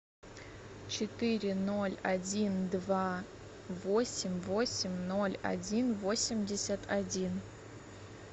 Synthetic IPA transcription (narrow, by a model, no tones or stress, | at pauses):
t͡ʃʰɪtʰɨɾʲɪnolʲadʲindva | vosʲɪmʲvosʲɪmʲnolʲa̰dʲinvosʲɪmdʲesʲatʰadʲin